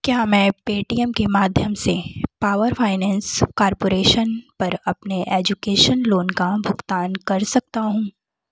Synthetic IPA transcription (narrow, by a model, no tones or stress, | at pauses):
kjaːmɛ̃ːpeːʈiːɛmkemaːd̪ʱjəmsepaːʋəɾfʰaːɪnɛ̃ːnskaːɾpoːɾeːʃənpɐɾɐpneʔɛːd͡ʒʊkeːʃənloːnkabʱʊɡt̪aːnkɐɾsɐk̚t̪aɦũː